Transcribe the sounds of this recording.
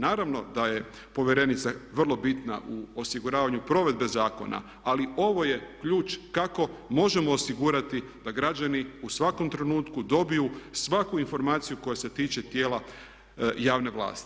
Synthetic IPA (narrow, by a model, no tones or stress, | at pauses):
naːɾaʋno̞d̪aje̞ | po̞ʋjeɾe̞nit̪saʋr̩lˠo̞bit̪na̰ʔuo̞siɡuɾaːʋaɲupɾo̞ʋe̞d̪be̞zaːko̞̰na̰ | alio̞ʋo̞je̞kʎuːt͡ʃkako̞mo̞ʒe̞mo̞ːsiɡuɾat̪id̪̥aɡɾad͡ʑaniusʋako̞mt̪ɾe̞nuːt̪kud̪o̞bijusʋakuinfo̞ɾmaːt̪sijuko̞jase̞t̪iːt͡ʃe̞t̪je̞ːla | jaːʋne̞ʋlˠa̰ːst̪i̥